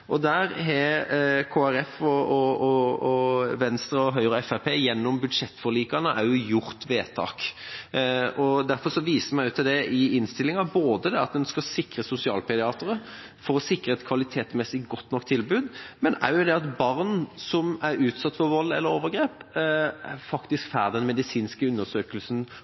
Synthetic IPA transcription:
ʔɔd̪æːɾɦɛkʰoːæɾɛfɔɔɔʋɛnst̪ɾəɔɦœʏɾəɛfæpʰeːjɛnːɔmbʉd̪ʂɛt̪ːfɔɾliːkɑnəʔæɾjʊjʊɾt̪ʋeːt̪ʰɑ̰ːk | ʔɔd̪æɾfɔɾʂɔʋiːsəmæɪʉːt̪ɛd̪ɛʔɪɪnst̪ɪlːɪŋɑboːd̪əd̪ɛɑt̪̚d̪ɛnskɑsɪkɾəsʊsɪɑ̰ːlpʰɛd̪ɪɑːt̪əɾə | fɔɾɔsɪkɾəɛt̪kʰʋɑlɪt̪ʰeːt̪smɛsɪɡɔt̪ːnɔkːt̪ʰːɪlbʉːd̪mɛnæ̰ɾjʊd̪ɛɑt̪bɑʁnsɔmæɾʉːt̪sɑt̪ːfɔɾʋɔlːɛ̰lːəɾoːʋəɡɾeːpæ̰fɑkt̪ɪskfæːʁd̪ɛnmɛd̪ɪsiːnskəʉnːəsøːkəlsn

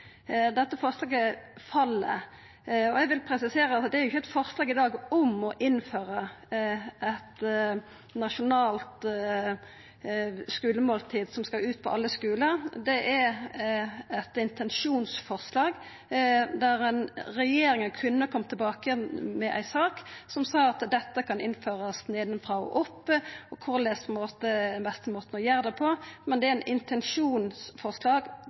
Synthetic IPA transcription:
d̪ɛt̪ːəfɔʁslɑːɡəfɑlːə̰ | ɔɛɡʋɪlpʰɾɛsɪseːɾəɑtd̪ɛæɾjʊɪçːəɛt̪fɔʁslɑːɡɪd̪ɑːɡɔmɔʔɪnføːɾə | ɛt̪ | nɑʂʊnɑːlt̪ | skʉːləmoːlt̪ʰiːd̪sɔmskɑʉːt̪̚pʰɔ̰ʔɑlːəskʉːləʁd̪ɛʔæ | ɛt̪ɪnt̪ʰɛnʃuːnsfɔʁslɑːɡ | d̪æʁɛnɾɛjeːɾɪŋənkʰʉnːəkʰɔmt̪ʰɪlbɑːkəmɛʔæ̰ɪsɑːksɔmsɑːɑt̪d̪ɛt̪ːəkʰɑnɪnføːʁɑsneːd̪nfʁɑɔ̰ʔɔpːɔkʰʊʁlɛspʰɔnmoːt̪əd̪ɛnbɛst̪əmoːt̪nɔjæːɾd̪ɛpʰɔmɛnd̪ɛæɾnʔɪnt̪ʰɛnʂuːnsfɔʁslɑːɡ

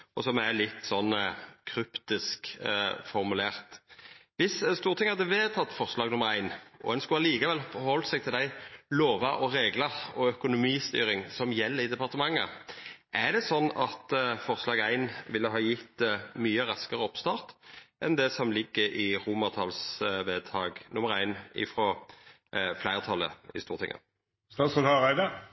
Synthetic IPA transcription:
ɔsɔmælɪt̪ːsɔnːkʰɾʏpt̪ɪskfɔɾmʉleːɾt̪ʋɪsst̪uːɾət̪ʰɪŋɑd̪ɛʋeːt̪ʰɑt̪ːfɔʁslɑːɡnʊmːəɾæɪnɔ̰ɛnskʉhɑliːkəʋɛlfɔɾhɔlt̪sɛɡ̚t̪ʰɪld̪æɪloːʋɑʔɔɾeːɡlɑɔœkʊnʊmiːst̪y̰ːɾɪŋsɔmjɛlːəɾɪd̪ɛpɑʁt̪əmɑŋːə̰ʔæd̪ɛsɔnːɑt̪fɔʁslɑːɡæɪnʋɪlːəɦɑːjɪt̪ːmyːəʁɑskəʁəɔpst̪ɑːʁt̪ʔɛnd̪ɛsɔmlɪɡːəʔɪʁuːmɑʁt̪ʰɑlsʋeːd̪t̪ʰɑːɡnʊmːəʁɾæɪnɪ̰fɾɔ | flæɪʁət̪ʰɑlːə̰ɪ̰st̪uːʁt̪ʰɪ̰ŋːʔə̰ | sɑsɔɑʁæɪd̪ə

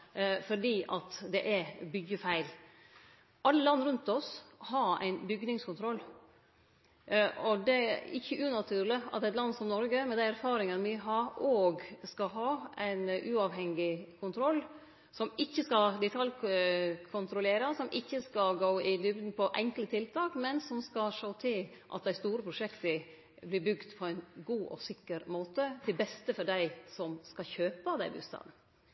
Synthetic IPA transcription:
fɔɖiːʔɑt̪d̪ɛʔæɾbʏɡəfæɪl | ʔɑlːəlɑnːɾʉnt̪ɔshɑɾæ̰ɪnbʏɡnɪŋskʊnt̪ʰɾɔlː | ɔd̪ɛæɪçːəʔʉːnɑt̪ʰʉːɾlɪɑ̰t̪ɛt̪lɑnːsɔmnɔɾɡəmɛnd̪ææɾfɑːɾɪŋənʋɪɦɑːɾoːɡskɑɦɑːæɪnʔʉːɑʋɦɛŋːɪkʰʊnt̪ʰɾɔlː | sɔmɪçːəskɑld̪ɛt̪ʰɑl | kʰʊnt̪ʰɾʊleːɾɑsɔmʔɪçːəskɑlɡoːɪd̪ʏbd̪n̩pʰɔʔɛŋklət̪ʰɪlt̪ʰɑːkmɛnsɔmskɑʂoːt̪ʰɪlʔɑ̰t̪̚d̪æɪst̪uːɾəpʰɾʊʂɛkt̪ə | blɪɾbʉɡt̪pʰɔæɪnɡuːʔɔ̰sɪkːəɾmoːt̪ət̪ʰɪlbɛst̪əfɔɖæɪsɔmskɑçøːpəd̪æɪbʉ̰st̪ɑ̰n̩

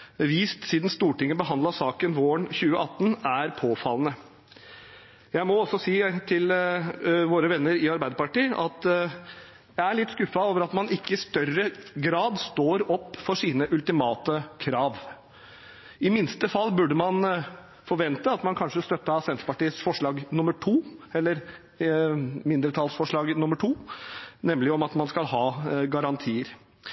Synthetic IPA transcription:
ʋiːst̪siːd̪nst̪uːʈɪŋːəbəɦɑnd̪lɑsɑːkənʋoːəɳçʉːəʔɑt̪ːənæɾpʰoːfɑlːənə | jæɪmɔɔsɔsiːt̪ʰɪl | ʋoːɾəʋɛnːəɾɪɑɾbæɪd̪əɾpɑʈiːʔɑt̪ | jæɪæɭɪt̪ːskʉfɑloːʋəɾɑt̪mɑnɪkːəɪst̪œrəɡɾɑːd̪st̪oːɾɔpːfɔʂiːnəʔʉlt̪ɪmɑːt̪əkʰɾɑːʋ | ɪmɪnst̪əfɑlːbʉɖəmɑn | fɔɾʋɛnt̪əɑt̪mɑnkʰɑnʂəst̪œt̪ːəsɛnt̪ɾpɑʈiːəsfɔʂɭɑːɡnʊməʈʰuːɛlːəɾ | mɪnd̪ɾət̪ʰɑːlsfɔʂɭɑːɡnʊmːəʈʰuːnɛmlɪɔmɑt̪mɑnskɑlhɑːɡɑɾɑnt̪ʰiːəɾ

